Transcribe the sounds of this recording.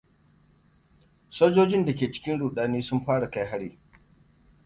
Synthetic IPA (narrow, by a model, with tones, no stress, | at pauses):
soː˦d͡ʒoː˦d͡ʒɪ˦nda˨kʲeː˨t͡ʃɪ̥˦kʲɪ˦nɽuː˨ɗaː˦neː˦sʊ˦mɸaː˦ɽa˨ka˦jɦa˦ɽiː˨